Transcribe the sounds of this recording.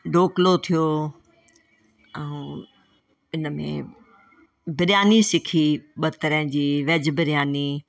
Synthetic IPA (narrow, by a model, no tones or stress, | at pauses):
ɖoːklot̪ʰijoː | ɛ̃ũː | ɪnəmḛ̃ | bɪɾjaːnisɪkʰiɓɐt̪ɐɾəɦɪ̃d͡ʑiːʋɐd͡ʑbɪɾjaːni